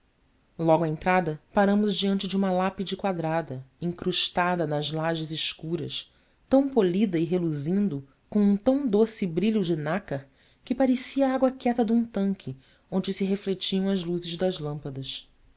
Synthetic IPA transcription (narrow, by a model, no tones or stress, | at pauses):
lɔɡwɐẽnt̪ɾad̪ɐpaɾɐ̃mʊzd͡ʒiɐ̃nt͡ʃɪd͡ʒɪũmɐlapid͡ʒɪkwad̪ɾad̪ɐẽŋkɾuʃt̪ad̪ɐnɐzlaʒɪzɪʃkuɾɐ̰s | t̪ɐ̃w̃polid̪ɐiɦeluzĩnd̪ʊ | kõw̃ũt̪ɐ̃w̃d̪osɪbɾiʎʊd͡ʒɪnakɐh | kɪpaɾesiɐaɡwɐkɛt̪ɐd̪ũt̪ɐ̃ŋkʲʰɪ | õnd͡ʒɪsɪɦeflet͡ʃiɐ̃w̃ɐzluzɪzd̪ɐzlɐ̃mpɐd̪ɐs